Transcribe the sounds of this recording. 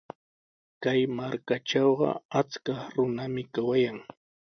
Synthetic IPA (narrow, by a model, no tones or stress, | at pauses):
kajmaɾkaʈ͡ʂɑwɢɑ̰at͡skɑχɾʊnamɪkawajaŋ